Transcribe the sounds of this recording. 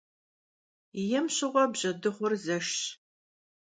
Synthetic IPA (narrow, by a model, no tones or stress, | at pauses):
jɛmɕɪʁʷɔbʑɐdɨχʷʊrzɐʃ